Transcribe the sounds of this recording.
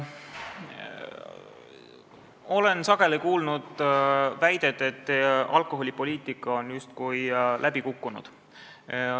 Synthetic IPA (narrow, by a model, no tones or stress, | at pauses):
o̞le̞nsɑɡ̥e̞likuːlnud̪̥væjd̪̥e̞d̪e̞t̪ːɑlko̞ɦo̞lʲipo̞lʲiːt̪ˑikːˑɑonjust̪kujlʔæb̥ikukːunṵd̪̥